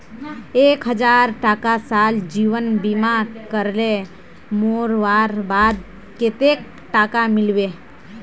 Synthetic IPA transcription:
eːkɦəd͡ʒaːɾʈaːkasaːld͡ʒiːʋənbimakəɾle | moːɾʋaːɾbaːd̪̚ | ket̪ek̚ | ʈaːkamɪlʋeː

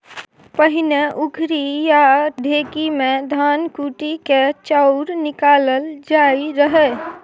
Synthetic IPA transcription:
pəɦɪneʔʊɡʱɾijaɖʱeːkimẽd̪ʱaːnkuːʈiket͡ʃaʊɾnɪkaːləld͡ʒaːiɾəɦe

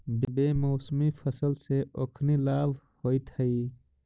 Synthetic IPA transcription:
bbeːmoːsmipʰəsəlseʔokʰnilaːbʱ | hoit̪ʰəi

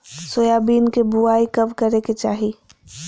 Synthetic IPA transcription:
soːjaːbiːnkebuaːikɐbkɐɾeket͡ʃaːɦi

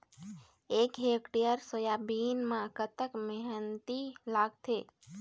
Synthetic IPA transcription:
ekɦekʈijəɾsəjabinmãkət̪əkmɛɦənt̪ilaɡt̪ʰe

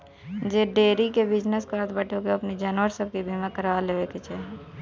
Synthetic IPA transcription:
d͡ʒeːɖeːɾikebɪd͡ʒnəskəɾt̪bəʈokeɐpnid͡ʒaːnʋəɾsəb̚kibʱimãkəɾʋaleːʋeket͡ʃʰɛ

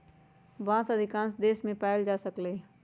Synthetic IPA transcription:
ʋãːsəd̪ʱɪkãːns̬d̪eːsmẽpaːɪld͡ʒaːsəkleː

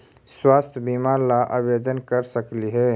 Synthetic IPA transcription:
swast̪ʰbimaɾlaʔabed̪ənkəɾsəkliɦɛ

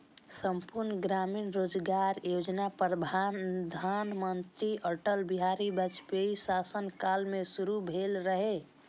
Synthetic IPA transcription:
səmpuɾnəɡɾaminɾod͡ʒɡaɾjod͡ʒnapɾəd̪ʱand̪ʱanmənt̪ɾiəʈəlbiɦaɾibət͡ʃpeisasənkalmesuɾubʱelɾəɦe

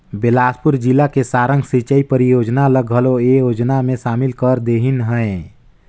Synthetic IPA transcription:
belaːspuɾd͡ʒilakesaːɾəŋɡsit͡ʃəipəɾijod͡ʒnaləɡʱɦəloejod͡ʒnamẽʃaːmilkəɾd̪eɦinɦə̃ẽ

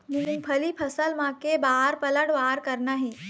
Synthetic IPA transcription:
muũpʰɐlipʰɐsəlmãkebaːɾpɐləɽʋaːɾkɐɾnaɦeː

